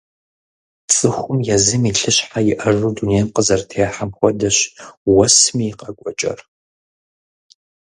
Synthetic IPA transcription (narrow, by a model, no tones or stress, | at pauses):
t͡sʼɨxʷʊmjɛzɨmiɬɨɕħajɪʔɐrudunejmqəzɐrtʰejħamxʷɔdɐɕwɐsmiːqʼɐkʷʼɔt͡ʃʼɐ̰r